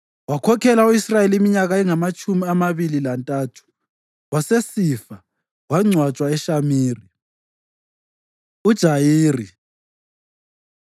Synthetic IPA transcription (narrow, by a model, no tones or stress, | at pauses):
wakʰɔkʰɛlauisrajeliimiɲaɣaɛŋamat͡ʃʼumiamaβililantʼaːtʰu̥ | wasesifa | waŋ͡ǀʱwat͡ʃʼwaɛʃamiːri | ud̥ʒ̥ʱajiːri